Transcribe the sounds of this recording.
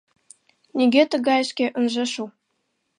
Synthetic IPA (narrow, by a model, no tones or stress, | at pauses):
nʲeɡʲet̪ə̆ɡɑjəʃkʲeʔə̆nʒɤ̆ʃu